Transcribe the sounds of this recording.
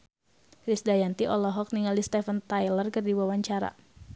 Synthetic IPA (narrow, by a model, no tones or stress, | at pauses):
ɾisdajant̪iʔɔlɔɦɔk̚niŋalist̪ɛfənt̪ajlərkərdiwawaɲt͡ʃaɾa̰